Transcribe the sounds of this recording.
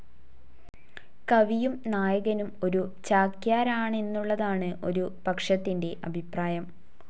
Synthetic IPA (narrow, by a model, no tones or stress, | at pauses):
kɐʋijumnaːjɐɣɐnumo̞ɾut͡ɕaːkjaːɾaːɳe̞nːuɭːɐðaːɳɨʔo̞̰ɾupɐkʂɐt̪ːinde̞ʔɐbʱipraːjɐm